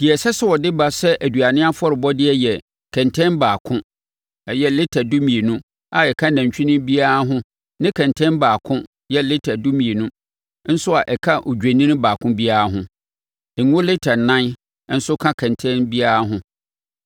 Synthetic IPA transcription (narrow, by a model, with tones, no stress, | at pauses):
d̥i˨ɛ˨sɛ˦sɛ˦wɔ˨dɪ˦ba˦sɛ˦ʔæ˨du˨a˨nɪ̃˦a˦fʊ˦ɔ˦ɾɪ˨bɔ˦dɪ˦ɛ˦jɛ˨ | kʰɛ̃˨ntʰɛ̃˦nbaː˨kʰʊ̃˦ | ɛ˨jɛ˦lɪ˦tʰæ˨du˦mĩ˨e˨nũ˦ | a˨ɛ˨kʰa˦næ̃˨ɲ˨t͡ɕᶣĩ˦nʊ̃˦bi˦a˦ɾa˦ɦʊ̃˦ | nɪ̃˦kʰɛ̃˨ntʰɛ̃˦nbaː˨kʰʊ̃˦ | jɛ˦lɪ˦tʰæ˨du˦mĩ˨e˨nũ˦ | n̩˦sʊ˦a˨ʔɛ˨kʰa˦ʔo˨d͡ʑᶣæ˨nĩ˦nʊ̃˦baː˨kʰʊ̃˦bi˦a˦ɾa˦ɦʊ̃˦ | ɛ˨ŋʊ̃˦lɪ˦tʰa˨nã˦n˦ | n̩˦sʊ˦kʰã˦kʰɛ̃˨ntʰɛ̃˦nbi˦a˦ɾa˦ɦʊ̃˦